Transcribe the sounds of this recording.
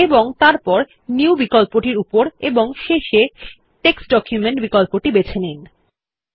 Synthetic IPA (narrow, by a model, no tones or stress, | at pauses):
eboŋt̪aɾpɔɾ | niwbikɔlpoʈiɾupoɾeboŋʃeʃe | ʈeksʈɖɔkʰjumeɳʈbikɔlpoʈibet͡ɕʰenin